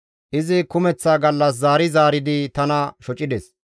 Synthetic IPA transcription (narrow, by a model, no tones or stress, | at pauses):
ʔɪzɪkʊmɛt͡sːaːɡɐlːɐs̬zaːɾɪzaːɾɪd̪ɪt̪ɐnɐʃɔt͡ʃʼɪd̪ɛs